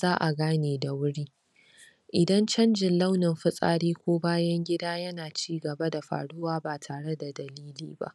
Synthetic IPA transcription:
zaː˦ʔa˨ɡaː˦neː˨da˨wʊ˦ɽiː˦ | ʔɪ˨dɐ˦nt͡ʃɐ˦nd͡ʒɪ˨nla˦wnɪ˨mɸɪ˦sʼa̰ː˦˨ɽeː˦kʷoː˦baː˦jɐ˦ŋɡʲɪ˦daː˦jɐ˦naː˨t͡ʃiː˦ɡɐ˨bɐ˦da˨ɸa̰ː˨ɽʊ˦waː˦baː˨tʰaː˨ɽe˦da˨dɐ˨liː˦lḭː˨ba̰˦ʔ

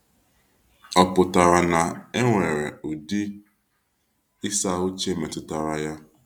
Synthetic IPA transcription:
ɔ˨pʊ˨ta˨ɾa˨na˨e˦ŋʷe˨ɾḛ˨ʊ˨di˦ | ɪ˦sa˦˨ʊ˦t͡ʃe˦˨me˨tʊ˦ta˨ɾa˦ja˦

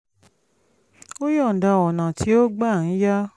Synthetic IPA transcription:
o˦jɔ˦˨n̩˨da˧˨wɔ˨nã˨ti˨˦o˦ɡ͡ba˦˨n̩˨˦ja˦

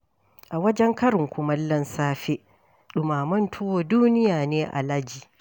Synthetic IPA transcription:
ʔa˨wɐ˦d͡ʒɛ˦ŋkɐ˦ɾʊ˨ŋkʷʊ˨˦mɐ˦lːɐ˦nsaː˦ɸe˦ | ɗʊ˨maː˨mɐ˦ntʰʊ˦woː˦duː˦nɪ˦jaː˨neː˦ʔa̰˨la˦d͡ʒiː˨

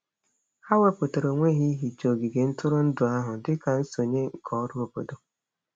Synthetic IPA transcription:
ha˦we˦po˨to˨ɾo˨ŋʷe˦ɦi˦ɦi˨t͡ʃo˨ɡi˨ɡe˨n̩˦tʊ˦ɾʊ˦n̩˦dʊ˨a˦ɦʊ˨dɪ˦ka˨n̩˦so˨ɲe˦ŋ̩˨kʰɔ˦ɾʊ˦o˨bo̰˨do˨

